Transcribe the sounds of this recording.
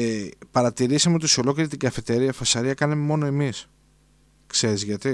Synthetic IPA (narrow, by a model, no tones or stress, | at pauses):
pɐɾɐt̪iɾisɐmeot̪isio̞lo̞ceɾit̪iɡɐfet̪e̞ɾiɐfɐsɐɾiɐkɐnɐmemo̞no̞e̞mis | kse̞ɾizʝɐt̪i